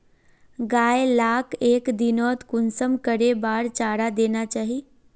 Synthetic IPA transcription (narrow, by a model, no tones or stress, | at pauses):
ɡaːjelaːkʰeːkd̪inɔːt̪kʊnsəmkəɾebaːɾt͡ʃaːɽad̪eːnat͡ʃaːɦi